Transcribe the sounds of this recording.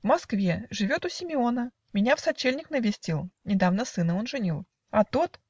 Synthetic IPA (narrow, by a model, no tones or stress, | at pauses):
vmɐskvʲeʐɨvʲo̞t̪ʊsʲɪmʲɪo̞nə | mʲɪnʲafsɐt͡ɕːelʲnʲɪknəvʲɪsʲtʲilˠnʲɪd̪avnəsɨnəo̞nʐɨnʲilˠ | ɐt̪ot̪